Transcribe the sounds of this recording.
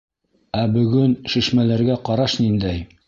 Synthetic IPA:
æbɵ̆ɡɵnʃiʃmælæɾɡæqɑɾɑʃnind̪æj

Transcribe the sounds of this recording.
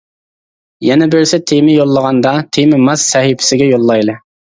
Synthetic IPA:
jɛnɛbøɾsɛt̪ʰemɪjolˠːəʁɑnd̪ɑt̪ʰemɪmɑz̥sɛɦipʰɪ̥sɪɡʲɛjolˠːɑjlˠɨ

